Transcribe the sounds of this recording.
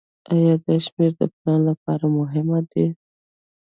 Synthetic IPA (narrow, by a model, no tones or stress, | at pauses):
ajɑd̪əʃmeɾd̪ə̰plɑnlapɑɾamʊɦɪmad̪e